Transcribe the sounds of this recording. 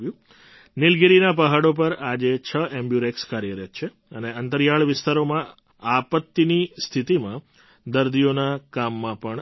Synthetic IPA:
jũ | nɪlɡiɾinapəɦaɽop̬əɾad͡ʒet͡ʃʰəẽmbjuɾekskaɾjəɾjət̪̚t͡ʃʰe | əneənt̪əɾjaɭʋɪst̪aɾomã | apət̪ːinist̪ʰit̪imã | d̪əɾd̪ijonakamːãpəɳ

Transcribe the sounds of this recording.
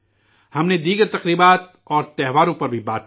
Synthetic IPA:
hɐmned̪iːɡəɾt̪ɐqɾiːbaːt̪̚ | ɔːɾt̪ɛɦʋaːɾõpɐɾbʱibaːt̪̚

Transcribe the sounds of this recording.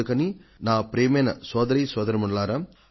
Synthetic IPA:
ɯkɐninaːpɾeːmeːnɐ̰soːd̪ɐɾisoːd̪ɐɾimɐɳɖɐlaːɾɐ

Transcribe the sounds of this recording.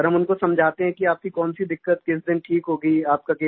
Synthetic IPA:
ɾɦɐmʊnkosɐmd͡ʒʱaːt̪eɦɛ̃kiaːp̚kikɔːnsid̪ɪkːət̪̚kɪs̬d̪ɪnʈʰiːkɦoːɡəiaːp̚kakeː

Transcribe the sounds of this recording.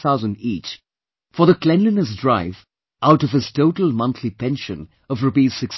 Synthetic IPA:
θaʊzə̃ndit͡ʃ | fə˞ðəklɛ̃nlɨ̃nəsdɹaɪv | ʔaʊɾʌv̥ɨz̥tʰoʊtl̩ˠmʌ̃nθʰlipɛ̃nʃɨ̰̃n | ʌvɹɨpiz̥sɪks

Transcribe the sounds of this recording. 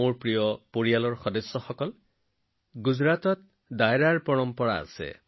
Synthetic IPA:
oɾpɾijɔpoɾijalɔɾxɔd̪esːɔxɔkɔl | ɡud͡ʒɾat̪ɔt̪̚ | d̪ajɾaɾpɔɹɔmpɔɽa̰ːsḛ

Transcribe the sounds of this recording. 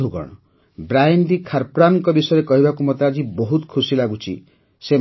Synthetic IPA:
uɡɔ̰ɽ̃ɔ | bɾajnɖikʰaɾpɾanɔŋkɔbisɔjɾekɔɦibakumɔt̪ad͡ʒibɔɦut̪ɔ̥kʰusilaɡut͡ʃʰḭ | se

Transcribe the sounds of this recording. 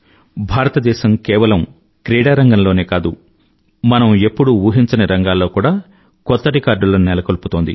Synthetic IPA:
bʱaːɾɐt̪ɐd̪ɛːʃɐmkɛːʋɐlɐm | kɾiːɽaːɾɐŋɡɐmloːne̞ːkaːd̪u | mɐnɐme̞pːuɽuuːɦiɲt͡ʃɐnɐɾɐŋɡaːlːo̞ːkuːɽaː | kɔt̪ːɐɾikaːɾɖuloːnnɛlɐkoluput̪o̞ːnd̪ḭ

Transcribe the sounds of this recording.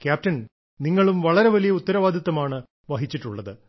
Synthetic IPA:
kjaːp̚tɐn | niŋːɐɭumʋɐɭɐɾe̞ʋɐlijɐut̪ːɐɾɐʋaːd̪ʱɐt̪ːɐmaːɳɨ | ʋɐɦit͡ɕːiʈːuɭːɐðɨ

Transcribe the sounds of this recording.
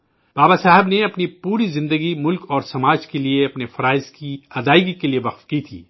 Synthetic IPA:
b̥aːbasaːɦɪbneɐpnipuːɾizɪ̃nd̪əɡimʊlkɔːɾsɐmaːd͡ʒkelieɐpnefɐɾaːɪzkiɐd̪aːɪɡikelieʋɐqfkit̪ʰḭː

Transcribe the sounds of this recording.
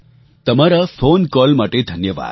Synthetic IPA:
t̪ɐmaɾafʰoːnkɔːlmaʈ̪ed̪ʱɐnjəʋa̰ːd̪

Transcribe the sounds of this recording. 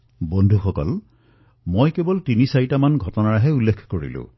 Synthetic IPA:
bondʱuxɔkɔ̰l | mojkebɔltinisajtamanɡʱɔtɔnaɹaɦɛulːekʰkoɹḭlʊ̰̃

